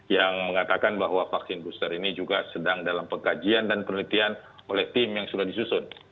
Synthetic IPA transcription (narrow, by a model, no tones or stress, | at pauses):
jaŋməŋat̪akanbaɦwafaksɪnbust̪əɾinid͡ʒuɡasədaŋdalampəŋkad͡ʒiandanpənəlit̪ianolɛht̪ɪmjaŋsudahdisusʊn